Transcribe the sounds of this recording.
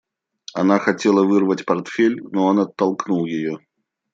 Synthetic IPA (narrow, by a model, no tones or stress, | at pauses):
ɐnaxɐtʲe̞lˠəvɨrvətʲpɐrt̪fʲelʲnoɐnɐt̪ːɐlˠknulˠjɪjo